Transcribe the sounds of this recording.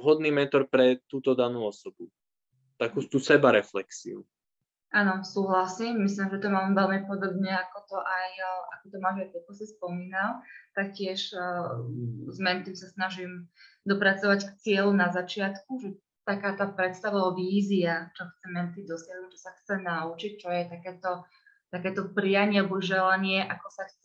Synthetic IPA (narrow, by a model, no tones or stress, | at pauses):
ɦɔd̪niːmɛnt̪ɔɾpɾɛt̪uːt̪ɔd̪anuːɔsɔbu | t̪akuːt̪uːsɛbaɾɛflɛksḭṵ | anɔsuːɦlasiːmːislimʒɛt̪ɔmaːmvɛlmipɔd̪ɔbɲɛakɔt̪ɔʔajʔa̰kɔt̪ɔmaːʒaɔkɔsispɔmiːnalt̪ak̚cɪɛʃ | zmɛnt̪imsasnaʒim | d̪ɔpɾat͡sɔʋackt͡sɪɛlunazat͡ʃɪat̪kuʒɛ | t̪akaːt̪aːpɾɛt̪st̪aʋaʋiːziat͡ʃɔxt͡sɛmɛnt̪id̪ɔsɪɛd̪umt͡ʃɔsaxt͡sɛnaut͡ʃic̚t͡ʃɔjɛt̪akɛːt̪ɔ | t̪akɛːt̪ɔpɾijaɲɪɛalbɔʒɛlaɲɪɛʔakɔsaxt͡sɛ